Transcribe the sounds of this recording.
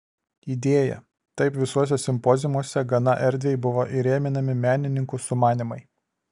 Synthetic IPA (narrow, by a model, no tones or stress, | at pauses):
iːd̪ʲeːjɛ̰ | t̪ɐɪpʋʲɪsuɔs̬ʲosʲɪmpɔzʲɪmuɔsʲɛɡɐnɐʔɛɾʲd̪ʲʋʲejɪbʊʋoʔɪɾʲeːmʲɪnɐmʲɪmʲæːnʲɪnʲɪŋkʊsʊmɑːnʲɪmɐɪ